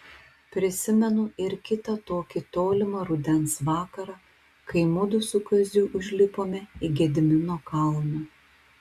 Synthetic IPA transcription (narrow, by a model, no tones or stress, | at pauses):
pʲɾʲɪsʲɪmʲɛnʊɪɾkʲɪt̪ɐt̪oːkʲɪt̪oːlʲɪmɐɾʊd̪ʲɛnsʋɑːkɐɾɑː | kɐɪmʊd̪ʊsʊkɐzʲuʔʊʒʲlʲɪpoːmʲɛiɡʲɛd̪ʲɪmʲɪnoːkɐlˠnʲɛ